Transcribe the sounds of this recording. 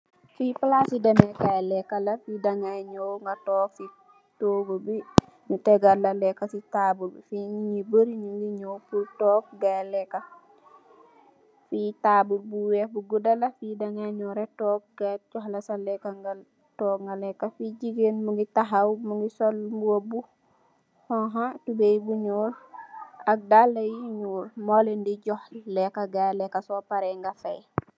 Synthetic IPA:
fipəlasidɛmɛkalɛkːalɐfidaŋajɲowŋɡatɔːk̚si | toːbobi | nutɛɡalːɐlɛkːasitabulfiɲiɲibəɾiɲiŋɡiɲowpultɔːk̚ɡalɛkːa | fitaːbulbuwɛbuɡudɐlɐfidaŋaɲuːɾetɔːk̚ɡaɟɔhlɐsalɛkːaŋa | tɔːkŋɡalɛkːafiɟiɡenmuŋɡitaɦawmuŋɡisolmbuobu | hɔɦãtubejbuɲuːl | ak̚dalːɐjiɲuːlmolendiɟɔhlɛkːaɡalɛkːasoːpaɾɛŋɡafej

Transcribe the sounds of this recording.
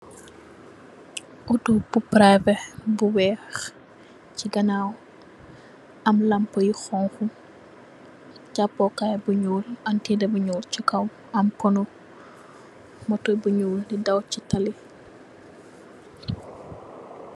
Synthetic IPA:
ʔutubupɾavɛbuwɛːx | ciɡɐnaw | ɐmlɐmpəjixɔŋxu | capːɔkajbuɲuːlɐntidɛbuɲuːlt͡ʃikɐw | ɐmkɔnu | mɔtɔjbuɲuːldidɐwcitɐli

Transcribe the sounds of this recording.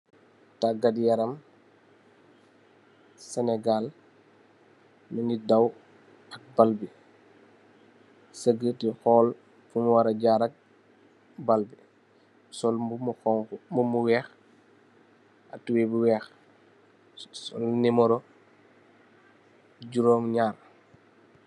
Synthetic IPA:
taɡadjaɾɐm | sɛnɛɡal | minidaw | ɐk̚balbi | səɡətixɔːl | fumwaɾɐɟaːɾɐk̚ | balbi | sɔlumuxɔŋkmumuwɛːx | a̰tuwebuwɛːx | sɔ̰lnimɔɾɔ | ɟuɾɔːŋɲaːr

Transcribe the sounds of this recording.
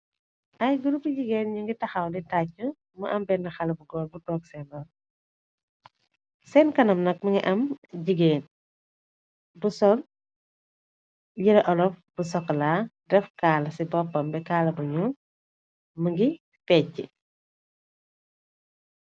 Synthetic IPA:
ʔɐjɡuɾupːiɟiɡeːnɲuŋɡitɐxɐwditacːu | muʔɐmbɛnːɐxɐlɐbuɡɔːlbutɔːk̚sɛnɔ | sɛnkɐnɐmnɐk̚mɐŋɡiʔɐmɟiɡeːn | busɔl | jiɾɐʔɔlɔfb̥usɔkːlaːdɛfkaːlɐsibɔpːɐmbɛkaːlɐbuɲun | mɐŋɡi | pɛːcːi

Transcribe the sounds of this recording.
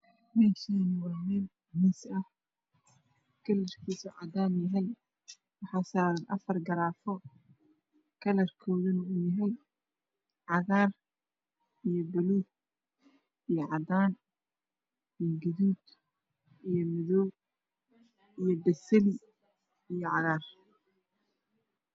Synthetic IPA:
mɛʃinɪwɑːmɛːl | hiːsɐh | kʰɐlɐrkʰiːsɔʕɑd̪aːnjɐɦɛj | wɑħɑːsaːɾɐnʔɐfɐrɡɐɾaːfɔ | kʰɐlɐrkʰɔːðɐnɐʊjɐɦɛj | ʕɑɣaːr | ijɔbɛluːd̪̚ | ijɞʕɑd̪aːn | ijɡɐðuːd̪ | ijɞmɪðɔw | ijɞbɐsɛli | ijɞʕɑɣaːr

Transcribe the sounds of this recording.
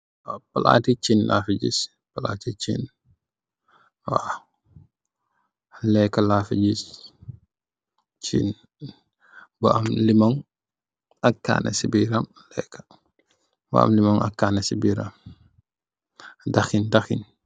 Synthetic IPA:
wapɐla̰ːtit͡ʃinla̰ːfiɟḭs | pɐla̰ːtit͡ʃḭn | wa | lɛkːɐlafiɟis | t͡ʃin | bɔɐmlimɔŋ | ɐkːa̰ːnʔɛ̰sibiɾam | lɛ̰kːḁ | ba̰a̰mlimɔŋa̰kːaːnɛsibiɾam | daxindaxin

